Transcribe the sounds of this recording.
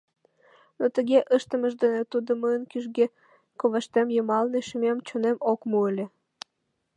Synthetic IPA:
not̪əɣeʔəʃt̪ə̆məʒd̪enet̪ud̪oməənkyʒɣe | koβəʃt̪emjəmɑlneʃimemt͡ɕonemokmuəlʲĕ

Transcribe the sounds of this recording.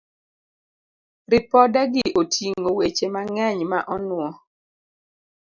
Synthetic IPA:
ɾɪpɔdaɡɪʔotʰiŋowet͡ʃemaŋɛɲmaʔɔnʊɔ

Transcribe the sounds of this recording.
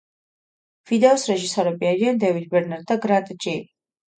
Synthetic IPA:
v̥id̪ɛɔsɾɛʒisɔɾɛbiaɾiand̪ɛvid̪̚bɛɾnaɾd̪ːaɡɾant̪ʼd͡ʒili

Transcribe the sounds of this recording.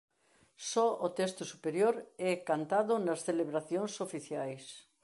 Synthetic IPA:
sɔot̪est̪ʊsupeɾjoɾɛkant̪aðʊnɐsθeleβɾaθjoŋsofiθjajs

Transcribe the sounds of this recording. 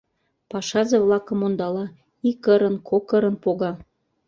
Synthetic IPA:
pɑʃɑzeβlɑkə̆mond̪ɑlɑ | ikːəɾə̆nkʰokəɾə̆npoɣɑ

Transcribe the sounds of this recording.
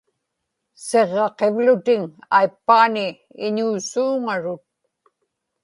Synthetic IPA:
se̞ʁːɑqe̞vlʊt̪ɪŋajpːaːnɪ | ɪɲuːsuːŋaɻʊt̪̚

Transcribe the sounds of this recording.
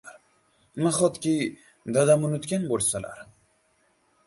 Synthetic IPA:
ɾ | maχɒt̪kʲi | d̪ad̪amʊnʊt̪kʲanbolˠsala̰ɾ

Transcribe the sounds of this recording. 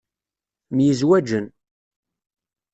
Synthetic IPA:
mjizwæd͡ʒən

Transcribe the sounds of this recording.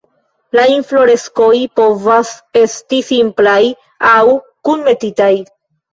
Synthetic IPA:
lainflo̞ɾe̞sko̞jpo̞vase̞stisimplaj | awkunme̞titaj

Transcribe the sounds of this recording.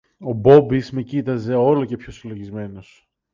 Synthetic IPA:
o̞bo̞bizme̞cit̪ɐze̞o̞lo̞ce̞pço̞silo̞ʝizme̞no̞s

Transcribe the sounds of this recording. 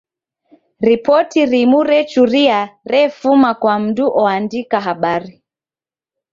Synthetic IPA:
ɾipɔtiɾimuɾɛt͡ʃuɾiaɾɛfumakwam̩duʔɔandikaɦaɓaɾi

